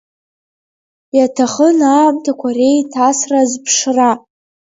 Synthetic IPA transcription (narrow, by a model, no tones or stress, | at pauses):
jatʰaχənaːmtʰakʷʰare̞jtʰasrazpʰʂra